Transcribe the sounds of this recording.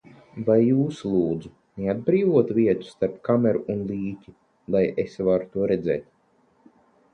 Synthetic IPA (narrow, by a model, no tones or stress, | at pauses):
vajːuːslˠuːd̪zu | nead̪̚bɾiːvuɔt̪vʲiɛt̪u̥st̪aɾpkamɛɾuunlˠiːcʲi | lˠajesvaɾu̥t̪uɔɾɛd̪zɛ̰ːt̪̚